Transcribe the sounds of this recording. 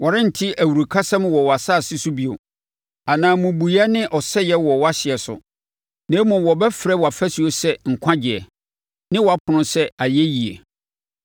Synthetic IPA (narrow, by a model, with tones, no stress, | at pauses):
wɔ˨ɾɪ̃˦n̩˨tʰɪ˦ʔæ˨wu˨ɾu˨kʰa˦sã˦m˦wɔ˨wɔ˨a˨saː˦˨sɪ˦sʊ˦bi˨o̰˨ | a˨nãː˨mʊ̃˨bu˨ja˦nɪ̃˦ʔɔ˨sɛ˦jɛ˦wɔ˨wa˦ɕɪ˨ɛ˨sʊ̰˨ | nɛ̃ː˨˦mɔ̃˨wɔ˨bɛ˦fɾɛ˦wɔ˨a˨fɛ˦si˨o˦sɛ˦ŋ̩˨kʷʰã˦d͡ʑɪ˨ɛ˨ | nɪ̃˦wɔ˨a˦pʰʊ˨nʊ̃˦sɛ˦a˨jɛ˦ji˨ḛ˨